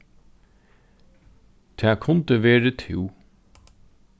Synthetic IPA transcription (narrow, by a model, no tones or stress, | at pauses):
t̪ʰæːkʰʊnt̪əʋeːɾət̪ʰɪl